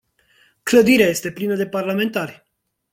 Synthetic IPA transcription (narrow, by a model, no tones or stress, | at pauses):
kləd̪iɾeaje̞st̪e̞plinəd̪e̞parlame̞nt̪arʲ